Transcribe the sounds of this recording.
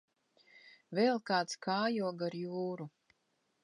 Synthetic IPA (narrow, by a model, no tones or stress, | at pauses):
vɛlˠkaːt̪skʰaːjuɔɡaɾjuːɾu